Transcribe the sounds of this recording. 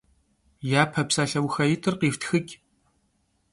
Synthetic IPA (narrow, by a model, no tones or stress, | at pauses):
jaːpʰɐpsaːɬɐwxɐjɪtʰɨrqiːftʰxɨkʲ